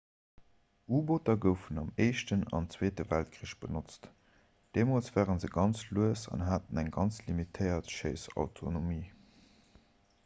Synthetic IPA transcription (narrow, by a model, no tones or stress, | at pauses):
ʔuːbotɐɡəʊfənɑmeɪʃtənɑ̰nt͡sweːtəvælt̚kʰʁiəʃb̥ənot͡st | d̥eːmoːlt͡sv̥æːʁənzəɡɑnt͡sluəsɑ̰nɦaːtənæŋɡɑnt͡slimitʰəɪɐtʃeɪsɑ̰ʊtʰonomiː